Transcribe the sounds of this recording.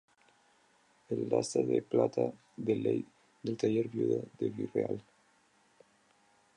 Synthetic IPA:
elːa̰saðeplat̪a | ðelej | d̪elt̪aʎeɾβjuðad̪eβireal

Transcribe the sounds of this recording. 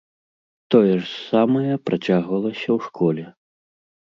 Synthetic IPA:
t̪ɔjɛʐsamɐjɐpɾat͡sʲaɣvɐlˠɐsʲɐwʂkʰɔlʲɛ

